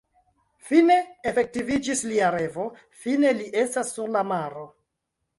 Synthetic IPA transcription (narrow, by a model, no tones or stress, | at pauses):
fine̞efek̚tivid͡ʒisliaɾe̞vo̞ | fine̞liʔe̞stasːuɾlamaɾo̞